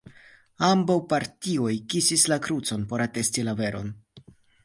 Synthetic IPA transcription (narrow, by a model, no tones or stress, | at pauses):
ambawpaɾtio̞jkisislakɾut͡so̞npo̞ɾate̞stilave̞ɾo̞̰n